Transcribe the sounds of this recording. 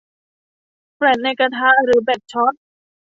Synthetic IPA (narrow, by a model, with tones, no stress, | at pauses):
pɾɛ˨˩nʔe˧ka˧t̪ʰaː˦˥ɾɯː˩˦bɛ˨˩t̪̚t͡ɕʰɔ˦˥t̪̚